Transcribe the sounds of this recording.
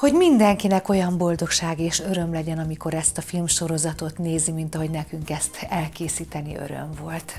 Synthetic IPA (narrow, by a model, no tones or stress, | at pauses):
ho̞ɟmind̪ɛŋkinɛko̞jɒmbo̞ld̪o̞kʃaːɡeːʃø̞ɾø̞mlɛɟɛnɒmiko̞ɾɛst̪ɒfilmʃo̞ɾo̞zɒt̪o̞t̪neːzimint̪ɒɦo̞ɟnɛkyŋkɛst̪ɛlkeːsiːt̪ɛnḭø̰ɾø̞̰ɱvo̞lt̪